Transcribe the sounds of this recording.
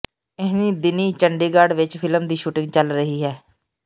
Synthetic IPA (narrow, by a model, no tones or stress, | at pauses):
ɪɦniːd̪ɪniːt͡ʃəɳɖiːɡaːɖʋɪt͡ʃpʰɪləmd̪iːʃuːʈɪ̃ŋɡt͡ʃəlɾəɦiːɦɛː